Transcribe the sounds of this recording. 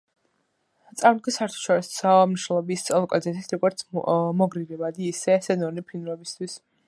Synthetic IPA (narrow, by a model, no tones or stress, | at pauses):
t̪sʼavɡʰɛsaɾt̪ʰu̥ʃɔɾissamniʃnɛlˠɔbist̪sʼɔlˠkʼɔ̰zɛt̪ʰit̪ʰɾɔɡɔɾt̪sʰmɔɡɾiɾɛbad̪iːsɛsɛnɔnipʰinuɾɛbist̪ʰwis